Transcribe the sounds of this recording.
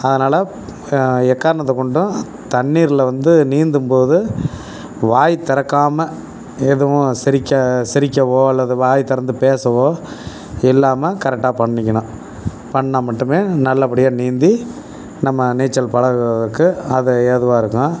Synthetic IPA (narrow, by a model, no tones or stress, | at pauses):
ɐðɐnaːlɐ | ɛkːaːɾɐɳɐt̪ːɐkːɔɳɖʊ̃ | t̪ɐɳːiːɾɪlɐʋɐnd̪ɯniːnd̪ɯmpoːðɯ | ʋaːjt̪ːɐɾɐkːaːmɐ | ɛðɐʋʊ̃sɪɾɪkʲːɐsɪɾɪkʲːɐʋoːɐlːɐðɯʋaːjt̪ːɪɾɐnd̪ɯpeːsɐʋoː | ɪlːaːmɐkɐɾɛk̚ʈːaːpɐɳːɪkʲːɐɳʊ̃ | pɐɳːamɐʈːɯmeːnɐlːɐpɐɽɪjaːniːnd̪i | nɐmːɐneːt͡ʃːɐlpɐɽɐɣɯɾɐðɐkːɯɐðɯɛðɯʋãːɪɾɯkːʊ̃